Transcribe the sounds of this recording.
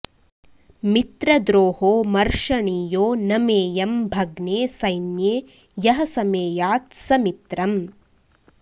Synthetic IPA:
mit̪ɾɐd̪ɾoːhoːmɐɾʂɐɳiːjoːnɐmeːjɐmbʱɐɡneːsɐjnjeː | jɐɦɐsɐmeːjaːt̪sɐmit̪ɾɐm

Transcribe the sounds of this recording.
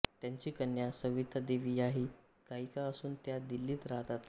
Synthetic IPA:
t̪jaɲt͡ɕiːkənjasəʋit̪ʰːəd̪eʋijaɦiː | kaɦikaəsuːnt̪jad̪ilːiːt̪ɾaɦt̪at̪

